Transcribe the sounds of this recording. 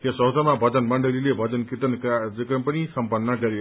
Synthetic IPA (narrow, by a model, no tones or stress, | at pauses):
kʌsʌɦd͡z̪ʱʌmabʱʌd͡zʌnmʌɳɖʌlilebʱʌd͡zʌnkit̪ʌnkad͡zʌkrʌmpʌnisʌmpʌnːʌɡʌɾjo